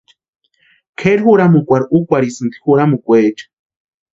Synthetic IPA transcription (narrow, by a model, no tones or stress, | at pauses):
kʰeɾhuɾamukʷaɾukʷaɾisɨnt̪i̥huɾamukʷet͡ʃḁ